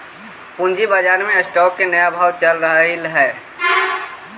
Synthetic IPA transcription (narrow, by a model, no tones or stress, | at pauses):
pʊ̃nd͡ʒibəd͡ʒaːɾmẽəsʈɔːkːenəjaːbʱaːʋt͡ʃəlɾəɦilɦɛː